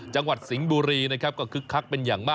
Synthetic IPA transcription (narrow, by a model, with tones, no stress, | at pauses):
t͡ɕa˧ŋwa˨˩t̪̚si˩˦ŋbuː˧ɾiː˧na˦˥kʰa˦˥p̚kɔː˥˩kʰɯ˦˥kʰːa˦˥k̚pe˧njaː˨˩ŋmaː˥˩